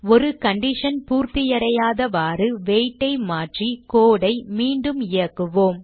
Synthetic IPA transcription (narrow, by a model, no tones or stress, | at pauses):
ɔɾɯkɐɳɖɪʂɐnpuːɾt̪ɪjɐɾɐjaːðɐʋaːrɯʋeːjʈːɐɪmaːʈrikoːɽɐɪmiːɳɖɯmɪjɐkːɯʋoːm